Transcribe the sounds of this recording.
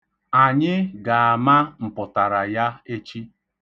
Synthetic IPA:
a˨ɲɪ˦ɡa˨a˨ma˦m̩˨pʊ˨ta˨ɾa˨ja˦e˦t͡ʃi˦

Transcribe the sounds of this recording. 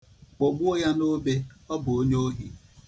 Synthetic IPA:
k͡po˨ɡ͡bu˦o˦ja˦no˦be˦ɔ˦bʊ˨o˦ɲ˦o˦ɦi˨

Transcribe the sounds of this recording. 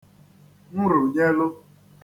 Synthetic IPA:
m̩˦ɾʊ˨ɲe˦lʊ˦

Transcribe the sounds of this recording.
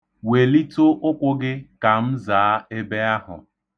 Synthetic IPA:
we˨li˦tʊ˦ʔʊ˦kʷʊ˦ɡɪ˦ka˨m̩˦zaː˨a˦e˦be˦a˦ɦʊ̰˨

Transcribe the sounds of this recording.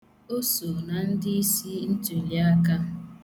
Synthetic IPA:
o˦so˨na˨n̩˦dɪ˦i˦si˦n̩˦to˨li˨a˦ka˦

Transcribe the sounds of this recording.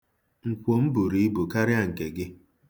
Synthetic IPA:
ŋ̩˨kʷo˨m̩˦bu˨ɾi˨˦bu˨ka˦ɾɪ˦a˦˨ŋ̩˨ke˨ɡɪ˦

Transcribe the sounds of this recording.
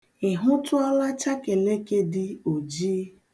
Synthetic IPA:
ɪ˨ɦʊ˦tʊ˦ɔ˦la˦t͡ʃa˦ke˨le˦ke˦dɪ˦o˨d͡ʒiː˦

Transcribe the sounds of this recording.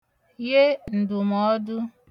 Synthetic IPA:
je˦n̩˨dʊ˨mɔ˦dʊ˦

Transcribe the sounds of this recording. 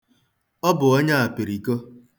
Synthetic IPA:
ɔ˦bʊ˨ɔ˦ɲa˦a˨pi˨ɾi˨ko˦

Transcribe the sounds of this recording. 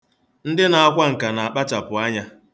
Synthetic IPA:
n̩˦dɪ˦na˨a˦kʷa˦ŋ̩˨ka˨na˨a˨k͡pa˦t͡ʃa˨pʊ˨a˦ɲa˦

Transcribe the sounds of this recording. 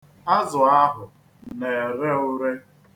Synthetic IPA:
a˦zʊ˨a˦ɦʊ˨ | ne˨ɾe˦ʊ˦ɾe˦

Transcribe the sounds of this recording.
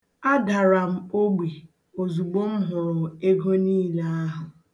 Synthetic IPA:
a˦da˨ɾa˨m̩˦o˦ɡ͡bʷi˨ | o˨zu˨ɡ͡bo˦m̩˦ɦʊ˨ɾe˦ɡo˦niː˦le˦a˦ɦʊ˨

